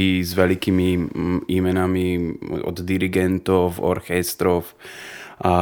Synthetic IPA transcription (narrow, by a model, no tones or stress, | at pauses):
izʋɛlikiːmiiːmɛnamiɔ̰d̪d̪iɾiɡɛnt̪ɔfɔ̰ɾxɛst̪ɾɔfʔa